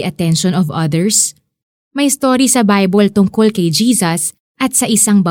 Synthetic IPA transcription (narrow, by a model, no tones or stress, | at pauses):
ʔɐt̪ɛnʃɔnɔvɐðɛɹs | mɐjst̪oːɾisɐbajbolt̪ʊŋkolkɐjd͡ʒiːsɐs | ʔɐt̪̚sɐʔɪsaŋbɐ